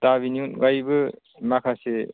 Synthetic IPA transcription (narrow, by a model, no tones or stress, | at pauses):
tabiniunɡajbɯ | makʰase